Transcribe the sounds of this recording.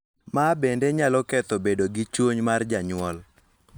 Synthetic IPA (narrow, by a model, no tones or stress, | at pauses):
mabendeɲalɔkɛt̪ɔbedoɡɪt͡ʃwoɲmard͡ʒaɲwɔl